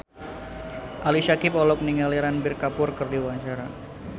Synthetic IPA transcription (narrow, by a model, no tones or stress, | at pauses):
ʔaliʃakɪpɔlɔk̚niŋaliɾanbɪrkapʊrkɨrdiwaɲt͡ʃaɾa